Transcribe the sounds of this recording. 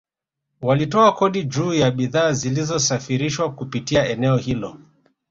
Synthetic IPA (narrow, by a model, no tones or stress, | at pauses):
walitɔakɔɗid͡ʒuːjaɓiðaːzilizɔsafiɾiʃwakupitiaɛnɛɔhilɔ